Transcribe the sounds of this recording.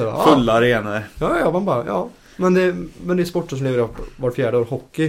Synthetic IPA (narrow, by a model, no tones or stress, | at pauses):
fɵlːaɾeːnaɾjɑːjɑːmanbɑːɾajɑ̰ː | mɛnd̪ɛmɛnd̪ɛspɔʈːəʂ̬ɔmleːʋəɾɪvaʈfjæːɖəoːɾhɔkːɪ